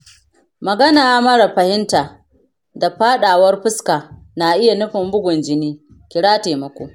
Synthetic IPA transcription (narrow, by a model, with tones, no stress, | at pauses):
mɐ˨ɡɐ˦naː˨a˦mɐ˦ɽɐ˨ɸɐ˨hɪ˦ntaː˨ | da˨ɸaː˦ɗaː˨wɐ˦rɸʊ˦skaː˨ | naː˨ʔɪ˦ja˨nʊ˦ɸɪ˨mbʊ˦ɡʷʊ˨nd͡ʒɪ˦niː˦ | kʲɪ˨ɽaː˦teː˨mɐ˨kʷo̰ː˨